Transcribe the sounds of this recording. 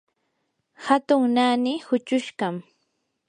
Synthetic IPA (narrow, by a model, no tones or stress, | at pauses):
hat̪ʊŋnanɪhʊt͡ʃʊʃɢam